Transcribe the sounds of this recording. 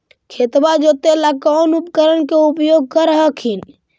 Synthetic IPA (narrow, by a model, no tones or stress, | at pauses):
kʰet̪bad͡ʒot̪elakɔnupkəɾənkeupjoɡ̚kəɾəɦəkʰin